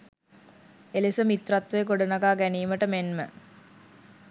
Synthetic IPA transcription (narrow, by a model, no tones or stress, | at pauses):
elesəmit̪rat̪ʋəjɡoɖənaɡaːɡæniːməʈəmenmə